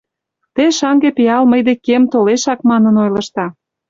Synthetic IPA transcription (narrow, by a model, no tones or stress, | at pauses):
t̪eʃɑŋɡepiɑlməjd̪ekemt̪oleʃɑkmɑnə̆nojlɤ̆ʃt̪ɑ